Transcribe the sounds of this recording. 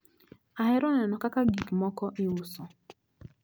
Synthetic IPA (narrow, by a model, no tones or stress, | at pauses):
aɦɪɾɔnɛnɔkakaɡikmɔkɔʔiusɔ